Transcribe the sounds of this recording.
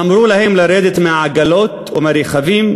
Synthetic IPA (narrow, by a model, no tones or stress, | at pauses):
amɾuːlahɪmlɪɾeːd̪ɪt̪mɪʕaɡaloːt̪wmaɾixaviːm